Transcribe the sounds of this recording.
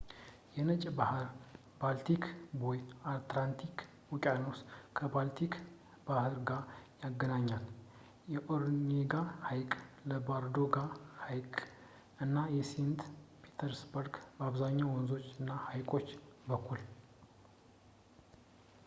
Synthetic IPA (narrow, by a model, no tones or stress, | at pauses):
jɛnət͡ʃʼbahɾ | balt̪ʰikʰbojat̪lant̪ʰikʰ | wukʼanoskʰəbalt̪ʰik | bahɨɾɡajaɡːənaɲːal | jɛʔoɾneɡahajkʼləbaɾd̪oɡahajkʼ | ɨnːajɛsent̪pʰi̥t̪ʰəɾsbəɾɡbəaβzaɲːawɔnzo̞t͡ʃːɨnːahajkʼo̞t͡ʃːbəkʰːul